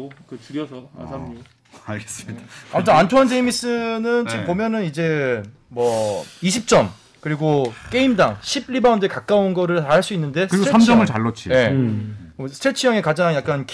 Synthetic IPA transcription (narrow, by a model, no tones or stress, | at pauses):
kɯtɯɾjʌsʰʌa̰aɲ | aɭɡes͈ɯmidaamd͡ʑʰʌantʰoand͡ʑeimis͈ɯnɯnt͡ɕipomjʌnɯnid͡ʑe̞ | mwʌiɕʰip̚t͡ɕ͈ʌm | kɯɾiɡok͈e̞imdaŋɕʰib̚ɾibandɯɭkak͈aonɡʌɾɯɭtaaɭs͈uinːɯnde̞sɯɾiɡoseamd͡ʑʌmɯɭt͡ɕaɭːʌt͡ɕʰḭje̞ | sʰɯ̥tʰet͡ɕʰɯjʌŋe̞kad͡ʑaŋjak̚k͈ank